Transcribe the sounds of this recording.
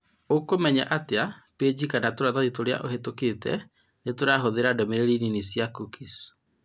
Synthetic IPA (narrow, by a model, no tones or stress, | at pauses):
okomɛɲa̰ʔateaped͡ʑikanatoɾaðaðitoɾea̰ʔoɦetokeːtɛ̰ | netoɾaɦoðeɾadɔmeɾeɾininisiakukis